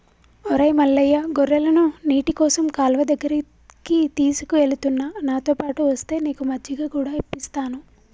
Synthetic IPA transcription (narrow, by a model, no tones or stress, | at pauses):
ɔɾɐjmɐlːɐjːaɡɔɾːɐlɐnuniːʈikɔːsɐmkaːlʋɐd̪ɐɡːɐɾɐ | kit̪iːsu̥kue̞lut̪unːanaːt̪o̞ːpaːʈuʋɐst̪e̞ːneːkumɐd͡ʒːɐɡaːkuːɽaːipːist̪aːnu